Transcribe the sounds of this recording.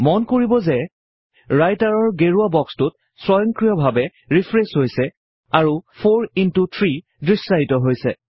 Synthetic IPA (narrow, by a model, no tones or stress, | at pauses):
mɔnkoɹibɔzɛ | ɹajtaɹɔɹɡeɹuabɔkstʊt̚ | sɹɔjɔŋkɹijɔbʱabɛ | ɹipʰɹesɦojsɛ | aɹupʰoɹintutʰɹi | dɹisɹaɦitɔɦojsɛ